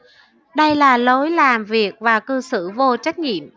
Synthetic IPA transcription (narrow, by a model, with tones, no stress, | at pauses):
ɗə˧jlaː˨˩lo˨˦jlaː˨˩mvi˨˩ək̚vaː˨˩kɨ˧sɨ̰˧˩vo˧t͡ɕa˦˥jk̟̚ŋḭ˧˨əm